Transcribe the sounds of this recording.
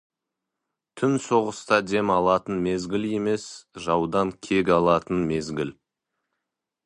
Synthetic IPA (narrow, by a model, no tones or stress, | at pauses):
t̪ʰʏnso̞ʁəst̪ɑd̪e̞mɑlˠɑt̪ənme̞zɡʲɪlje̞me̞sʒɑwd̪ɑŋkʲʰe̞ɡʲɑlˠɑt̪ənme̞zɡʲɪl